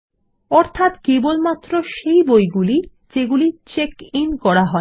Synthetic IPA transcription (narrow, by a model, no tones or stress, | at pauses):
ɔɾt̪ʰat̪kebolmat̪ːɾoʃejbojɡuli | d͡ʑeɡulit͡ɕekinkɔɽaɦɔe